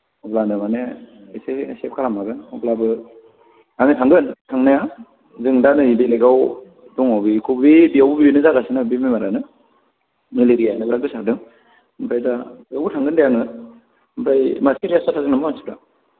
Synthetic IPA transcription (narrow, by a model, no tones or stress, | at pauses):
ɔblanɯmane | esesep̚kʰalamaɡɯnɔblabɯ | aŋɯtʰaŋɡɯntʰaŋnaja | zɯŋdanɯidileɡaw | dɔŋawbikʰubibiawbubiinɯzaɡasinɯbimimaɾanɯ | mileɾijanɯbɾak̚ɡɯsadɯŋ | mpɾajdajawbutʰaŋɡɯndajaŋɯ | mpʰɾajmasiɾastatʰazɯnamaansi̥pɾa